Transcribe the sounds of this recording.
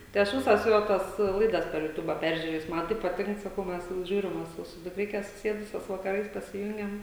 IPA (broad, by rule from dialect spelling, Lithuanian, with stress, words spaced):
tɐɪ ˈɐʃ ˈʋʲɪsɐs ˈjoː tɐs ˈlˠɐɪdɐs pʲɛr jʊˈtʊbɐ ˈpʲɛrʲʒʲʊrʲeːjʊs ˈmɐn tɐɪ pɐˈtʲɪŋk sɐˈkɐʊ ˈmʲɛs ˈʒʲuːrʲɪm ʋɐ ˈsʊ sʊ dʊkˈrʲɪkʲɛ sʊˈsʲeːdʊsʲoːs ʋɐkɐˈrɐɪs pɐsʲɪˈjʊŋʲɡʲɛm